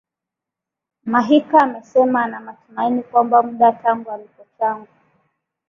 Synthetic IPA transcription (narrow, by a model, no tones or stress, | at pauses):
maɦikaːmɛsɛmanamatumainikwambamuɗataŋɡualikɔt͡ʃaŋɡu